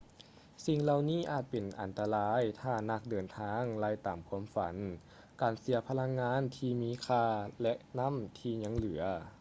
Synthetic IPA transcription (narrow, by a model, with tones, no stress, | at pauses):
si˧˩ŋla˧wniː˧˥˩ʔaː˨˩t̪̚pe˨˩nʔa̰˨˩nt̪a˧laː˦˥jt̪ʰaː˧˩na˧˩k̚dɤː˨˩nt̪ʰaː˧˥ŋlaː˧˩jt̪aː˨mkʰuː˧˥əmfa̰˨˦n | kaː˨˩nsi˨˩˦ɐpʰa˧la˧˥ŋːaː˧˥˨nt̪ʰiː˧miː˧˥˨kʰaː˧˩lɛ˧˥ʔna˧˥˨mt̪ʰiː˧ɲa˧˥˨ŋlɯ˨˩˦ɐ